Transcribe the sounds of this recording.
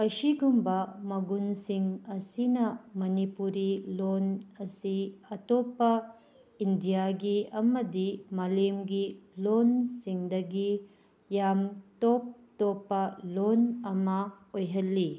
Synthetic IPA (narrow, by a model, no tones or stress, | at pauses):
ɐsiɡumbɐmɐɡunsiŋɐsinɐmɐnipuɾilonɐsiɐtopːɐ | indijaɡiɐmɐdimalemɡilonsiŋdɐɡi | jamtop̚topːɐlonɐmɐ | ojɦɐlːi